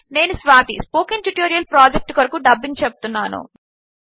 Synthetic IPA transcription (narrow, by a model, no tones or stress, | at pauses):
ne̞ːnusʋaːt̪ispoːkiŋʈuʈoːɾijɐlpɾaːd͡ʒek̚ʈkɐɾɐkuɖɐbːiŋɡt͡ʃɛbut̪unːaːnṵ